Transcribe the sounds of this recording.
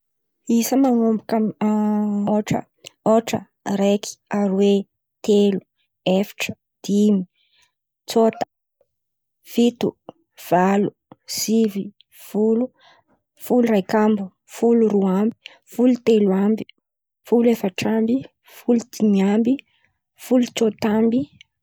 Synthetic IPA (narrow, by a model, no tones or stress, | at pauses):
isəmaŋombaka | oʈ͡ʂə̰ | oʈ͡ʂə̰ | ɾeki̥aɾwe | t̪elu | efi̥ʈ͡ʂə̥ | d̪̥imi | t͡sot̪ə̥ | v̥it̪u | v̥alu | sivi | fulu | fulurajkambu | fuluɾuambi̥ | fulut̪eluambi̥ | fulefaʈ͡ʂambi | fulud̪̥iniambi | fulut͡sot̪ambi